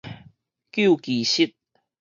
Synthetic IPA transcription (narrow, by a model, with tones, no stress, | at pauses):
kju˥˨kiː˨˩ɕi˦t̪̚